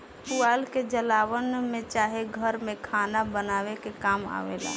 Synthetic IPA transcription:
puaːlked͡ʒəlaːʋənmẽt͡ʃaːɦeɡʱəɾmẽkʰaːnabənaːʋekekaːma̰ʋḛːla̰ː

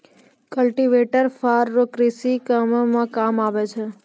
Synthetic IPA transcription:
kəlʈiʋeʈəɾfʰaɾːokɾisikammãkamaʋet͡ʃʰe

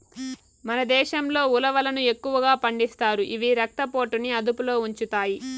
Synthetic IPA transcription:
mɐnɐd̪ɛːʃɐmlo̞ːulɐʋɐlɐnue̞kːuʋɐɡaːpɐɳɖist̪aːɾuʔiʋiɾɐk̚t̪ɐpo̞ːʈuniɐd̪upulo̞ːuɲt͡ʃut̪aːji

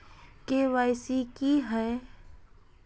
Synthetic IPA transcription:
keʋaːɪsikiɦɛː

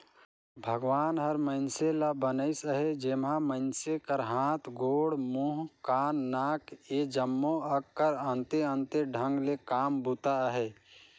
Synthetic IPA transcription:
bʱəɡʋaːnɦəɾməɪnselabənəɪsəɦed͡ʒeːmaməɪnsekəɾɦãːt̪ʰɡoːɽmuːɦkaːnːaːked͡ʒəmːoəkːəɾə̃nt̪eə̃nt̪eɖʱə̃ŋɡlekaːmbut̪aɦɛː

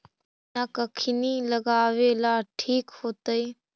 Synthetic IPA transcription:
nakəkʰiniːləɡaːʋeːlaːʈʰiːkhoːt̪əiː

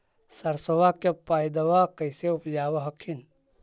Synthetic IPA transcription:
səɾsowakepaːjd̪ɐʋakəɪseʊpd͡ʒaːwaɦəkʰin

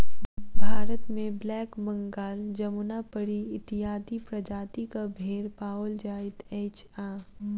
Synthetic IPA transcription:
bʱaːɾət̪mẽblɛːkbə̃ŋɡaːld͡ʒɐmunapəɽiɪt̪ijaːd̪ipɾɐd͡ʒaːt̪ikabʱeːɾpaːwəld͡ʒaːɪt̪eːt͡ʃaː

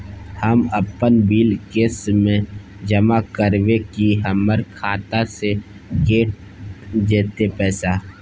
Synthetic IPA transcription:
həməpənbiːlkeːsmẽ | d͡ʒəmakəɾʋekiɦəməɾkʰaːt̪ase | keːʈ̚ | d͡ʒeːt̪epɛːsa

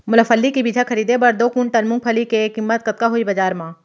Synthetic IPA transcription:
mʊləfʰəlːikibid͡ʒʱakʰəɾiːd̪ebɐɾd̪oːkunʈ̪ɐlmʊ̃ŋɡ̚pʰəlikekɪmːət̪kɐt̪̚kaɦoːibɐd͡ʒaːɾmãː

